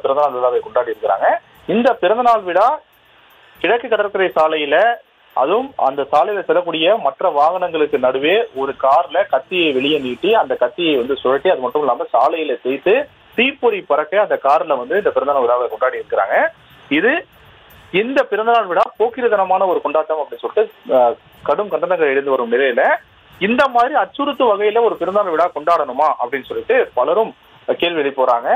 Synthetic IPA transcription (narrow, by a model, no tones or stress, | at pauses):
nd̪ɐpɪɾɐnd̪ɐnaːɭʋɪɭaːʋɐkɔɳɖaːɽiɪɾɯkːɪɾa̰ːŋɡɐ | ɪnd̪ɐpɪɾɐnd̪ɐnaːɭʋɪɽaː | kɪɽɐkːɯkːɐɽɐɾkɪɾɐsaːlɐjɪlɐ | ʔɐ̰ðɯmɐ̰nd̪ɐsaːlɐjɪlɐsɛlːɐk̬ːuːɽɪjɐmɐʈrɐʋaːɣɐɳɐŋɡɐɭɯkːɯnɐɽɯʋeːɔɾɯkaːɾlɐkɐt̪ːɪjɐɪʋɛɭɪjɐniːʈːiɐnd̪ɐkɐt̪ːɪjɐɪʋɐnd̪ɯsɔlɐʈːɯɐðɯmɐʈːɯmɛlːaːmɐsaːlɐjɪlɐsɛjt̪ːɯ | t̪iːpːɔɾipɐɾɐkːɐɐnd̪ɐkaːɾlɐʋɐnd̪ɯɪnd̪ɐpɪɾɐnd̪ɐnɐʋɪɽaːʋɐkɔɳɖaːʈiɪɾɯkːɪɾa̰ːŋɡɐ | ɪðɯ | ɪnd̪ɐpɪɾɐnd̪ɐnaːɭʋɪɽaːpoːkɪɾɯðɐnɐmaːnɐɔɾɯkɔɳɖaːʈːɐmɐpːɐɽɪnsɔlːɪʈːɯ | kɐɽɯmkɐɳɖ̪ɐnɐŋɡɐɭɛɽɯnd̪ɯʋɐɾɯmnɪlɐjɪlɐ | ɪnd̪ɐmaːðɾiɐt͡ʃːʊɾɯt̪ːɯʋɐɣɐjɪlɐɔɾɯpɪɾɐnd̪ɐnaɭʋɪɽaːkɔɳɖaːɽɐnɯmaːʔɐpːɐɽɪnːɯsɔlːɪʈːɯpɐlɐɾɯm | keːɻʋiʋɛɭɪpːoːɾaːŋɡɐ